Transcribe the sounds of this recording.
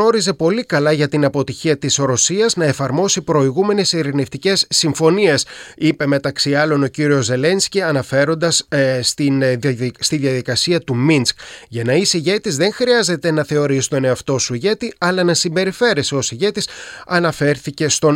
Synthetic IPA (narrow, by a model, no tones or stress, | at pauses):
o̞ɾize̞po̞likɐlɐʝɐt̪inɐpo̞t̪içiɐt̪isɾosiɐznɐe̞fɐɾmo̞sipɾo̞iɣume̞ne̞siɾineft̪ice̞sːiɱfo̞nie̞sipe̞me̞t̪ɐksiɐlo̞no̞ciɾio̞zːe̞le̞nsciɐnɐfe̞ɾo̞nd̪ɐsst̪inst̪iðjɐðikɐsiɐt̪uminskʝɐnɐisiʝe̞t̪izðe̞ŋxɾiɐze̞t̪e̞nɐθe̞o̞ɾisi̥t̪o̞ne̞ɐft̪o̞suiʝe̞t̪iɐlɐnɐsimbe̞ɾife̞ɾe̞seo̞siʝe̞t̪isɐnɐfe̞ɾθice̞st̪o̞